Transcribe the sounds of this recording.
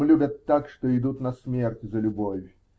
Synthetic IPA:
lʲubʲɐt̪ːakʂt̪ɔid̪ut̪nɐsʲmʲɛrtʲzɐlʲubɔvʲ

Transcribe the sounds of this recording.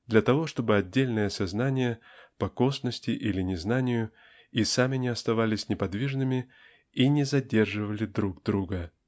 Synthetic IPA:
d̪lʲɐt̪ɐvo̞ʂt̪o̞bɨɐdʲːelʲnɨjəsɐznanʲɪjəpɐko̞snəsʲtʲɪʔilʲɪnʲɪznanʲɪjʊ | isamʲɪnʲɪɐst̪ɐvalʲɪsʲnʲɪpɐd̪vʲiʐnɨmʲɪ | inʲɪzɐdʲe̞rʐɨvəlʲɪd̪ɾuɡd̪ɾuɡə

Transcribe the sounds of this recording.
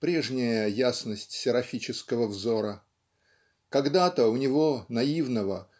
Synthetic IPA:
pɾʲe̞ʐnʲɪjəjasnəsʲtʲsʲɪɾɐfʲit͡ɕɪskəvəvzo̞ɾə | kɐɡd̪at̪əʊnʲɪvo̞nɐivnəvə

